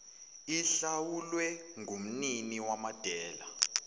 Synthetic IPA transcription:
iɬawulwɛŋʱum̩niniwamad̥ʱɛːla

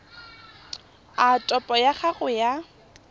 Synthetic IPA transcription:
atʼɔpʼɔjaχaɣʊja

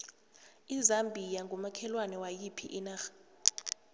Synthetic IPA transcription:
izambʱijaŋɡʱɔmakʰɛlwanɛwajipʰḭʔinaːxḁ

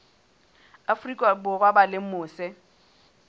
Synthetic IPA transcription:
afrikʼabʊrwabalɪm̩mʊːsɛ

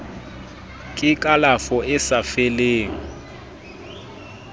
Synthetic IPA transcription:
kʼɪkʼalafɔɪsafeleːŋ̩

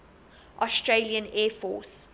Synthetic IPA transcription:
ʔɔstɹeliə̃nɛːfɔ̰ːs

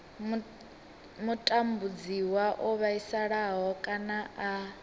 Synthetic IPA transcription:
mutʼambud͡ziwaʔɔβaisaɺaɦɔkʼanaʔa

